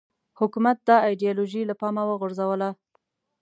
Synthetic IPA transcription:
hʊkumat̪̚d̪ɑɑjɖijɑloʒilapɑmawəɣʊɾzawəla

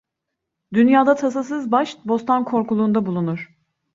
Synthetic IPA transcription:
d̪ynjaːd̪at̪ʰas̬asɯzbaʃbo̞st̪ʰankʰo̞ɾkulˠuːnd̪abulˠunuɾ̥

